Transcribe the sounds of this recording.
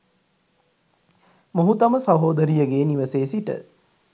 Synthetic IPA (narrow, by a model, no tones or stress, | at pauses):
moɦut̪ɐməsaʋɦoːd̪əɾijəɡeːniʋəseːsiʈə̰